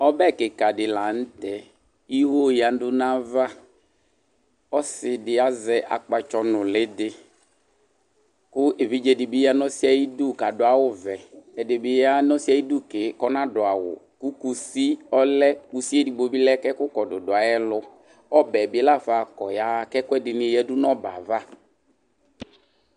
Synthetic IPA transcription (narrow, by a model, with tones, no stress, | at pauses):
ɔ˦bɛ˦˨ke˨ka˨dɪ˨la˨n̩˦t̪ɛ˦ | i˦ɦo˦ja˨n˦dʊ˦nã˦va˦ | ɔ˦sɪ˨dɪ˨a˦zɛ˦ʔa̰˨k͡pa˨t͡ʃɔ˦nʊ̃˨lɪ˦dɪ˦ | kʊ˦e˨vi˦d͡ʒe˦dɪ˨bi˦ja˦nɔ̃˦si˦a˨ji˦du˦˨ka˨dʊ˨˦a˨wʊ˦vɛ˨ɛ˨dɪ˨bɪ˨ja˦nɔ̃˦si˦a˨ji˦du˦ke˨˦kɔ˦nã˦ɖʊ˨a˨wʊ̰˨ | ku˦ku˦si˦ɔ˦lɛ˦ku˨si˦e˦di˨ɡ͡bo˨bi˦lɛ˦kɛ˦kʊ˦kɔ˨dʊ˨dʊ˨a˨ɛ˦lʊ˦ | ɔ˦bɛ˨bɪ˨˦la˦fa˨kɔ˨ja˦kɛ˦kʊ˦ɛ˦dɪ˨nɪ̃˨jɛ˦dʊ˦nɔ̃˦ba̰˨va˦